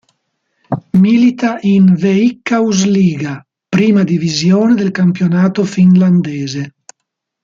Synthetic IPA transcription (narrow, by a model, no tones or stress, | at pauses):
milit̪aʔinveikːauzliːɡa | pɾiːmad̪ivizjoːned̪elkampjonaːt̪ofinland̪eːze